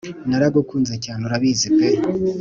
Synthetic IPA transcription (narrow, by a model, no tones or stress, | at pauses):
naɾaɡokuːnzacaːnoɾaβiːzibeɾi